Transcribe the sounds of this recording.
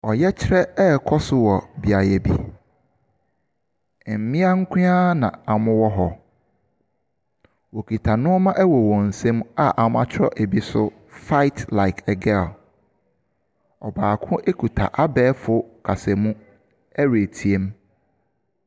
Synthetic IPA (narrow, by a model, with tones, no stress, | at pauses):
ɔ˨jɛ˦t͡ɕʰɪ˦ɾɛ˦ɛ˦kʰɔ˦sʊ˨wɔ˨bi˨a˨jɛ˨bi˦˨ | m̩˨mɪ̃˦a˦ŋ̩˦kʰʷĩ˦ã˦nã̰˨a˨mʊ̃˦wɔ˦ɦɔ˨ | wo˨kʰi˨tʰa˨nʊ̃˦ɔ˦mã˦ʔɛ˦wɔ˨wɔ̃˨n̩˨sẽ˦ma˦ʔa˨mʊ̃˦a˦t͡ɕʰɾɔ̰˦ʔe˨bi˦sʊ˦ | fa˦ɪ˦tla˨ɪ˨kʰɛ˨ɡɛ˦˨l | ɔ˨baː˨kʰʊ̃˦ʔe˦kʰu˨tʰa̰˨ʔa˦bɛː˦fʊ˦kʰa˨sɛ˨mũ˦ | æ˦ɾe˨tʰi˨e˦m